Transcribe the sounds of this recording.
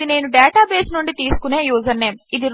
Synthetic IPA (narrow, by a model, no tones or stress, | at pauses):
ine̞ːnuɖɛːʈaːbe̞ːsnuɳɖit̪iːsu̥kuneːjuːzɐnːe̞ːmid̪iɾ